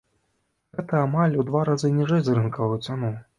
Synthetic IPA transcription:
ɣɛt̪ɐamalʲud̪vaɾazɨnʲiʐɛjzrɨnkɐvɐjut̪sʲanu

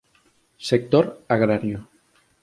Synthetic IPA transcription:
sek̚t̪oɾaɣɾaɾjo

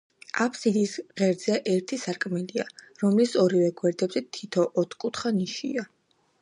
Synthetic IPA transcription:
apʰsid̪isʁɛɾd̪z̥ɛʔɛɾt̪ʰisaɾkʼmɛliaɾɔmlisɔɾivɛɡwɛɾd̪ɛbzɛt̪ʰit̪ʰɔʔɔt̪ʰkʼut̪χaniʃḭa

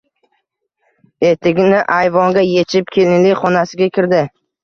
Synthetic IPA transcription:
e̞t̪ʰɪɡʲnɪʔajvɒŋɡʲaje̞t͡ʃʰɪp̚kʲʰelɪnlɪjχɒnasɪɡʲakʲʰɪɾd̪ɪ

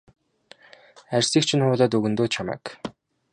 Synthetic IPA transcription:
ærʲsiːkt͡ɕʰɪ̆nχʊːɮɔːt̪̬ɵɣɵ̆nt̪oːt͡ɕʰamæ̰ːk

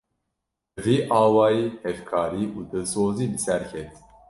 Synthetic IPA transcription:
viːʔɑːwɑːjiːhɛvkʰɑːɾiːʔuːd̪ɨsoːziːbɨsæɾkʰɛt̪

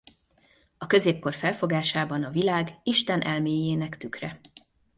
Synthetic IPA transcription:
ɒkø̞zeːp̚ko̞rfɛlfo̞ɡaːʃaːbɒnɒvilaːɡiʃt̪ɛnʔɛlmeːjeːnɛkt̪ykrɛ

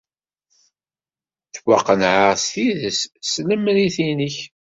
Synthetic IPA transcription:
θwaqːənʕaʁsθiðəssləmɾiθinəç

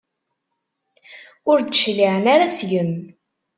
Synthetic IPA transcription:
ʊɾd̪əʃliʕənaɾasjəm

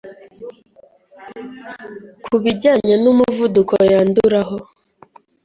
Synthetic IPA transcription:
kʰuβiɟaːɲanumuvudukojaːnduɾaɦo

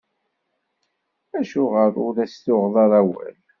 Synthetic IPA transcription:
æʃʊʁəɾʊðæsθʊʁðˤɑɾˤæwæ̰l

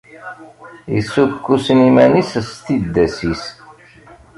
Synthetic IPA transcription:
jḭsːukːusnimænisst̪id̪ːæsis

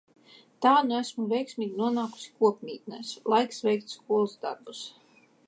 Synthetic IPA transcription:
t̪aːnuæsmuvʲɛjksmʲiːɡʲinuɔnaːku̥si̥kuɔpʲmʲiːt̪nɛslˠajksvʲɛjk̚t̪skuɔlˠuzd̪a̰ɾbus

